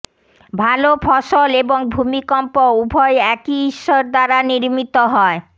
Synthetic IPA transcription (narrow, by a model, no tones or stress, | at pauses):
bʱalofʰɔʃoleboŋbʱumikɔmpoubʱɔeɛkiiʃːoɾd̪aɾaniɾmit̪oɦɔe